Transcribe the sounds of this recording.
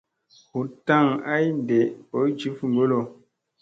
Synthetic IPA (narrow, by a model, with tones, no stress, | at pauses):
hu˨ta˦˨ŋa˦jn˨dɛ˨ʔpɔ˨˦d͡ʒi˦fu˦˨ŋ̩˨ɡo˦lo˦˨